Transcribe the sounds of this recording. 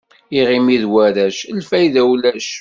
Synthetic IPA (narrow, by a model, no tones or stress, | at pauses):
iʁimiðwæɾæʃəlfæjðæwlæʃ